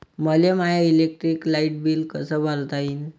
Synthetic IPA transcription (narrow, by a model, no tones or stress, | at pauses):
məlemajailek̚ʈɾiːklaiʈ̚biːlkəsəbʱalt̪aiːn